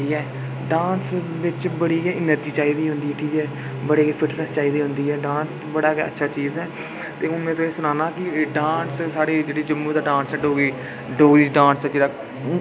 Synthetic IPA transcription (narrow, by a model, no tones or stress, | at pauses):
iːɛː | ɖaːns | ʋɪt͡ʃbəɽiːeːɪnəɾd͡ʒiːt͡ʃaːiːd̪iːɦʊ̃nd̪iːɛːʈʰiːkɛː | bəɽeːkeːpʰɪʈnəst͡ʃaːiːd̪iːɦʊ̃nd̪iːɦɛːɖãːns | bəɽaːkɛ̰ə̰tːʃʰaːt͡ʃiːzɛː | t̪eːʊnmẽːt̪õːeːsʊnaːnaːkɪɖãːnssaːɽeːd͡ʒeːɽiːd͡ʒəmːũːd̪aːɖãːnsɛːɖoːɡiː | ɖoːɡiːd͡ʒɖãːnsɛːd͡ʒeːɽaː